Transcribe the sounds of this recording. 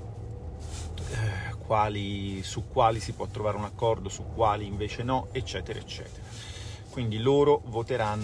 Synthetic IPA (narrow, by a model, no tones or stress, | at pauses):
kwaːlisukːwaːlisipwɔt̪ːɾovaːɾeunakːɔrd̪osukːwaːliːɱveːt͡ʃenɔet͡ʃːɛːt̪eɾa̰et͡ʃːɛ̰ːt̪eɾa | kwind̪iloːɾovot̪eɾanː